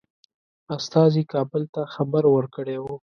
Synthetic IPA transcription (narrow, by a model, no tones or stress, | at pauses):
ast̪ɑzikɑbəlt̪axabəɾwəɾkəɽewu